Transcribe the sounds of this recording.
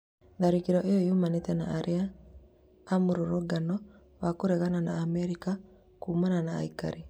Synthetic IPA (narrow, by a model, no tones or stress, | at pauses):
ðaɾikiɾɔʔejɔjomanetɛna̰ːɾʔeaː | muɾoɾoɡanɔ | wakoɾeɣananaːmɛɾika | kuːmanana̰ːika̰ɾi